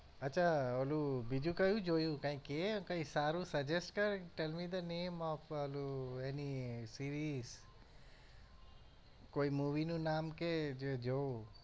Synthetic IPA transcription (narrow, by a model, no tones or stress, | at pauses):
ɐtːʃʰaoːlubid͡ʒukajũd͡ʒoːjũkãĩkekɐ̃ĩsaːɾusɐd͡ʒesʈkɐɾʈɛlmid̪ənẽːmɔfoːluɛnisiɾis | koːimuːʋinũnaːmked͡ʒed͡ʒo